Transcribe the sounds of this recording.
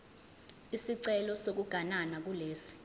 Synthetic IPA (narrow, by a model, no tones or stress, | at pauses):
isiǀɛlɔsok̬uɡ̥ʱananak̬uleːsi̥